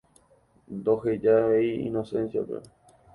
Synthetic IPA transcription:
nd̪ohed͡ʒaeiḭnosẽ̞nsjapḛ

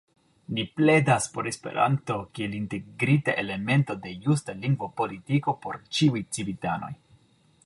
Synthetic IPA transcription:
niple̞daspo̞ɾe̞spe̞̰ɾʔa̰nto̞kie̞linte̞ɡɾitaʔe̞le̞me̞nto̞de̞justaliŋɡvo̞po̞litiko̞po̞ɾt͡ʃiujt͡sibitano̞̰j

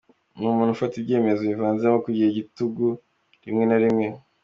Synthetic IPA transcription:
numuːn̥ufatibɟe̞ːme̞zoivaːnzemokuɟiheɟituɡu | ɾimŋe̞naɾimŋe̞

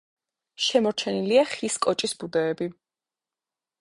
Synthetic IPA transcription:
ʃɛmɔɾt͡ʃʰɛniliaχiskʼɔt͡ʃʼisbud̪ɛːbi

